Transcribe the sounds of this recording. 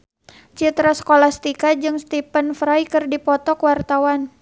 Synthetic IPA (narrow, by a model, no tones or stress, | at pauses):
t͡ʃit̪ɾasə̥kolahst̪ikad͡ʒɨŋst̪ipənfɾajkɨrdipɔt̪ɔkwart̪awan